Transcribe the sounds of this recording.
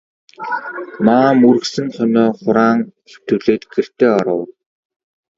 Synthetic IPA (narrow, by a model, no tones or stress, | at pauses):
maːmuɾ̆ksɘ̆ŋχœnɔːχʊɾaːŋ | ew̥t̪ɵ̆ɮeːt̪ɡer̥t̪eːɔɾə̰̆w